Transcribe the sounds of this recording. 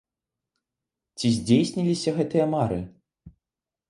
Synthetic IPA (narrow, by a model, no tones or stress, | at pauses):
t͡sʲizʲd͡zʲejsʲnʲilʲisʲɐɣɛt̪ɨjɐmaɾɨ̰